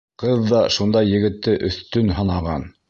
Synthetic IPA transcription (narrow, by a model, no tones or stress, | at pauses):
qɤðːɑʃund̪ɑjːɘ̆ɡɘ̆t̪ːɘʔɵ̆θt̪ɵnɦɤnɑʁɑn